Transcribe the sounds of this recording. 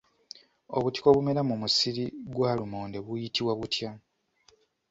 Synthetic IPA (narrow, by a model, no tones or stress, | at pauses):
o̞̰βuti̥ko̞βume̞ɾamumusiɾiɡwaːlumo̞ːnde̞βujitiβwaβutja